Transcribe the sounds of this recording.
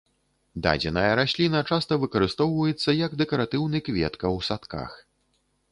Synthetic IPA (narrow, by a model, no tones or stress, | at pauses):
d̪a̰d͡zʲɛnɐjɐɾasʲlʲinɐt͡ʂast̪ɐvɨkɐɾɨst̪ɔwvɐjɛt̪sːɐjɐɡd̪ɛkɐɾat̪ɨwnɨkvʲɛ̰t̪kɐwsat̪ka̰x